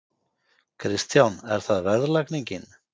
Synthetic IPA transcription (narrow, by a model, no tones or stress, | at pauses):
kʰɾɪst̪θjawnɛɾ̥θaðvɛðlakniɲcɪn